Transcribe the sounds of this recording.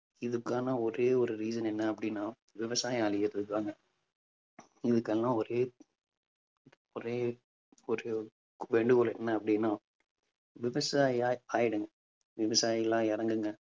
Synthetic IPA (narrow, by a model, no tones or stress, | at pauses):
ɪðɯkːaːnɐɔɾeːɔɾɯɾiːsɐnɛnːɐɐpːɐɽɪnːãː | ʋɪʋɐsaːjaːlɪjɐt̪ːɯðɯkːɯʋaːŋɡɐ | ɪðɯkːɛlːãːɔɾeː | ɔɾeː | ɔɾɯ | ʋeɳɖɯɣɔlɛnːɐɐpːɐɽɪnːaː | ʋɪʋɐsaːjaːaːjɪɽɯŋɡɐ | ʋɪʋɐsaːjɪlãːɪɾɐŋɡɯŋɡɐ